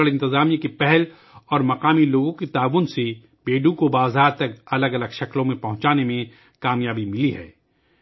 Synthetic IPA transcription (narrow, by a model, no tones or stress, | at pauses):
əlɪ̃nt̪ɪzaːmiãkepɛɦɛl | ɔːɾmɐqaːmiloːɡõkit̪aːʋʊnse | beːɖũkobaːzaːɾt̪ɐk̚ɐləɡɐləɡʃɐklõmẽpɐɦʊ̃t͡ʃaːnemẽ | kaːmjaːbimɪliɦɛ̰ː